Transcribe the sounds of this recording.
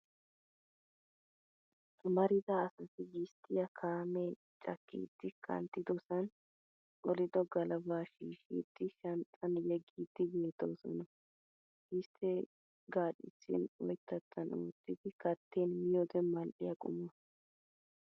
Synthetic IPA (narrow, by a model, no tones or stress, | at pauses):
mɐɾɪd̪ɐːsɐsɪɡɪst̪ʰːɪjɐkʰaːme | t͡ʃʼɐ̰kːḭːd̪̥ːɪkʰɐ̰nt̪ːɪd̪ɔsɐn | ɔlɪd̪ɔɡɐlɐbaːʃiːʃḭːd̪̥ːɪʃɐnt͡sʼɐnjɛɡiːd̪̥ːɪbeːt̪o̰ːsɔ̰nɐ | ʔɪst̪ʰːɛ | ɡaːɗɪt͡ʃːɪ̰nwɔ̰jt̪ʰːɐt̪ːɐnṵːt̪ːɪd̪ɪkɐt̪ʰːeːnmɪjɔd̪ɛmɐlɗɪjɐkʼʊ̰mːɐ